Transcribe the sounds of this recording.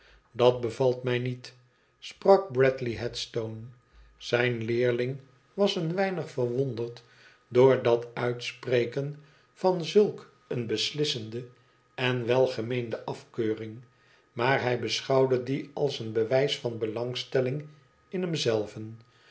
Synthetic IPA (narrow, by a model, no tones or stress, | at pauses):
dɑt̚bəvɑlˠtmɛjnit | sprɑk̚brɛtliɦɛtstown | z̥ɛjnlɪːɹlɪŋ | ʋɑsənʋɛjnəχfərʋondərt | dʊːɹdɑtœɥtspreɪkən | vɑnzɵlˠk | ənbəslɪsəndə | ɛnʋɛlˠχəmejndəʔɑfkøːrɪŋ | maːɹɦɛjbəsχɑwdədiɑlˠsənbəʋɛjsfɑnbəlɑŋstɛlɪŋ | ɪnɦɛmzɛlˠvən